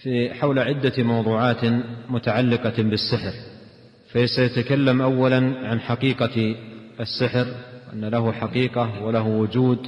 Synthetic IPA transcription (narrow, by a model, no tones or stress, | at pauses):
fiħawlaʕɪd̪ːamɑwðˤuːʕaːt̪mʊt̪aʕalːɪqɑbɪsːɪħɾ | fasajat̪akalːamʔawːalanʕanħaqiːqɑ | asːɪħɾwʔa̰nːalaɦʊħaqiːqawɪlaɦwʊd͡ʒuːd̪